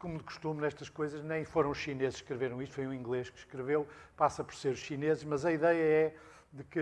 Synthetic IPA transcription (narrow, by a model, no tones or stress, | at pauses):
komud̪ɨku̥ʃt̪umnɛʃt̪ɐʃkojzɐʒnɐ̃j̃foɾɐ̃w̃uʃinezɨzʃkɾɨveɾɐ̃w̃iʃt̪fojũĩŋɡlˠeʃkʃkɾɨvewpasɐpɔɾseɾuʃʃinezɨʃmɐzɐiðɛjɐɛ | ðɨkɨ